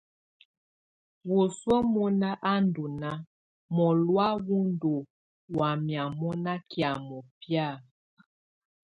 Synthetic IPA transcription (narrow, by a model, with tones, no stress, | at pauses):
wu˨swɔ˦mɔ˦na˦ʔa˦ndu˨na˦ | mɔ˨lwa˦wu˦ndu˨ | wa˨mja˨mɔ˦na˦kja˨mɔ˨pja˦˨